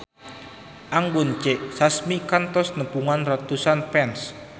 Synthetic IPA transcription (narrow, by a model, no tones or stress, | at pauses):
ʔaŋɡunt͡ʃeʔsasmikant̪ɔsnəpuŋanrat̪usanpɛns